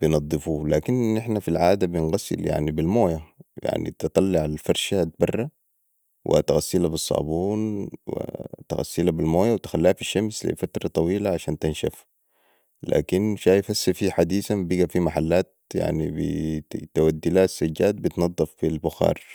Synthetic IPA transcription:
b̥jnɑd̪ˤːɨfulaːkinʔɪħnafilʕaːd̪abɪnɣasːɪ̰lja̰ʕnibilmoːjaja̰ʕnḭt̪ɨt̪ˤːɑlːiʕalfɑɾˤʃat̪̚bɑrˤːɑ | wʔɪ̰t̪aɣasːilabɨsˤːɑ̰ːbuːnwḭt̪a̰ɣa̰sːɪlabilmoːjawt̪ɪ̥xalːiːhafiʃːamslḭfat̪ɾˤɑt̪ˤɑwiːlaʕaʃaːnt̪ɪnʃa̰f | la̰ːkinʃaːjfasːafiːħad̪iːsambiɡafimaħalːaːt̪̚ja̰ʕnibḭt̪awad̪ːilaːsːaɟːaːt̪̚bit̪nɑd̪ˤːɑfbilbʊxɑ̰ːɾˤ

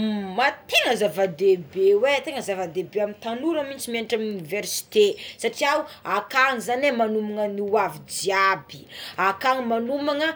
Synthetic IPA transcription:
mat̪eŋəzavad̪ebewet̪eŋəzavad̪ebeamint̪anuɾəmint͡simianʈ͡ʂamuniveɾsi̥t̪esaʈ͡ʂiawakaŋizanemanumaŋəniwavid͡ziabi̥akaŋimanumaŋə

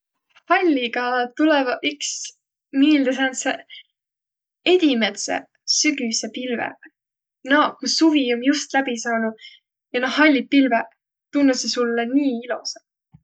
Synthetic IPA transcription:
hɑlʲːiɡɑt̪ulɛvɑyks | miːld̪es̬ɑnse | e̞d̪̥ʲimet̪sḛ | syɡ̥ysepilvḛ | nokusuvionjust̪læbisɑːnu̥ | jɑnohɑlʲːit̪̚pilve | t̪unːusesulːeniːilṵse̥

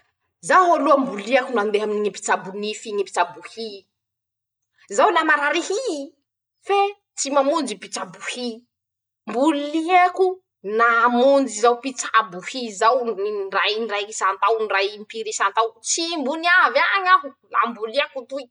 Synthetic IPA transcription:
zaaluambuliakunand̪eɦaminiɲipi̥t͡sabunifiɲipi̥t͡sabuhi | zawnamaɾaɾehi | fe | t͡simamund͡ʒipit͡sabuhi | mbuliaku | namund͡ʒizawpit͡sabuhizawninrajnrajkisant̪awnrajimpiɾisant̪awt͡simbuniavaɲaɦula̰mbuliakut̪ui

